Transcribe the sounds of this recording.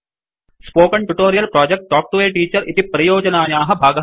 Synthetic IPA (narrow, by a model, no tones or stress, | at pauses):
spoːkɐɳʈuʈoːɾijɐlpɾaːd͡ʒek̚ʈʈːɔːk̚ʈuʋeːʈiːt͡ʃɐɾʔit̪ipɾɐjoːd͡ʒɐnaːjaːɦɐ̆bʱaːɡɐ